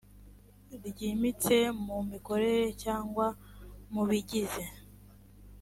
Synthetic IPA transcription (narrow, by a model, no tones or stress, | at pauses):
ɾɟimit͡se̞mumiko̞ɾe̞ɾe̞caːŋɡwamuβiɟize